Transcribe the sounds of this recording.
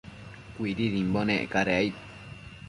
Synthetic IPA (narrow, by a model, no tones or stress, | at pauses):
kʷiɾiðimbonẽʔkaɾeait̪